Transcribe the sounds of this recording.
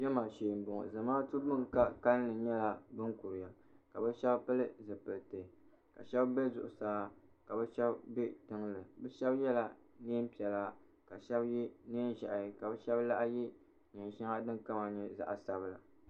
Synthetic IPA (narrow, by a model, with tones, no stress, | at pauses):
ʒɛ˦maː˨ʃeː˨m̩˨bʊ˨ŋ̰˨zɨ˨maː˦tɨ˦bʊ˦ŋka˦ka˦nː˦ɨ˨ɲɛ˦la˨bɨ˦ŋkʊ˨ɾɪ˨ja˨ | ka˨bɛ˦ʃɛ˦bpɨ˦lɨ˦zɨ˨pɨ˨lte˨ | ka̰˨ʃɛ˦bbe˦zʊ˨ʔʊ˨saː˦ka˨bɛ˦ʃɛ˦bbe˦tɨ˦ŋlɨ˨bɛ˦ʃɛ˦bjɛ˦la˨neː˦m̩˦pi˨ɛ˨la˦ | ka˨ʃɛ˦bji˦neː˦n˦ʒa˨ʔjka˨bɛ˦ʃɛ˦bla˦ʔji˦ | ɲɛ˨nʃa˦ŋa˦dɨ˦ŋka˦ma˨ɲɛ˦za̰˨ʔa˨sa˦bla̰˨